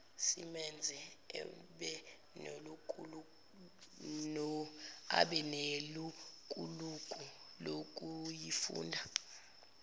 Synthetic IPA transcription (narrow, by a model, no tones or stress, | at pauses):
simɛnd͡zʱɛ̰ | ɓɛ | nolukʼ | nɔa̰ɓɛnelukʼulukʼu | lokʼujifṵːndʱa